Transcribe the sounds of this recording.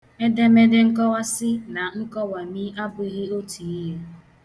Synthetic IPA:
me˦de˦me˦de˦ŋ̩˦kɔ˦wa˦sɪ˦na˨ŋ̩˦kɔ˦wa˨mi˦a˦bʊ˦i˦ɣi˦o˦ti˨i˦ɦe˦

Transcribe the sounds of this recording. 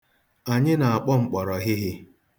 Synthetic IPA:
a˨ɲɪ˦na˨a˨k͡pɔ˦ŋ͡m̩˨k͡pɔ˨ɾɔ˨ɦɪ˦ɦɪ˦

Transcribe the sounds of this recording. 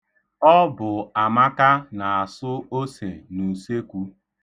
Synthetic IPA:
ɔ˦bʊ˨a˨ma˦ka˦na˨a˨sʊ˦o˦se˨nu˨se˦kʷu˦

